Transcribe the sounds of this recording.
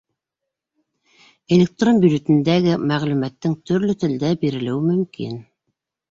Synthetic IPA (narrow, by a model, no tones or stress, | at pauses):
elʲek̚t̪rombʲjud͡ʒet̪ɘ̆nd̪æɡɘmæʁlʉmæt̪ːɘŋt̪ɵ̆ɾlɵt̪ɘ̆ld̪æbiɾɘ̆lɘ̆wɘmɵ̆mkḭn